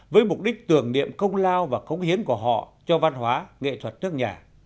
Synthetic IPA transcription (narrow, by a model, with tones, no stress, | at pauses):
vəː˨˦jmʊ˨˩k͡p̚ɗi˦˥k̟̚t̪ɨ˨˩əŋnḭ˧˨əmkə˧wŋ͡mlaː˧wvaː˨˩kə˨˦wŋ͡mhi˨˦ənku˧˩əɦɔ̰˧˨t͡ɕɔ˧va˧nɦwaː˨˦ŋḛ˧˨t̪ʰwə˨˩t̚nɨ˦˥ək̚ɲaː˨˩